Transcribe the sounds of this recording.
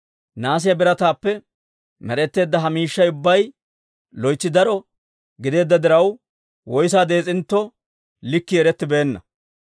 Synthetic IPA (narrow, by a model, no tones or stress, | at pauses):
naːs̬ɪjɐbɪɾɐt̪aːpːɛ | mɛɾɛt̪ːe̞ːd̪ːɐɦɐmiːʃːɐjʊbːɐj | lɔjt͡ʃːɪd̪ɐɾɔ | ɡɪd̪e̞ːd̪ːɐd̪ɪɾɐw | wɔjsaːd̪e̞ːt͡sʼɪnt̪ːɔ | lɪkːɪɛɾɛt̪ːɪbe̞ːnːɐ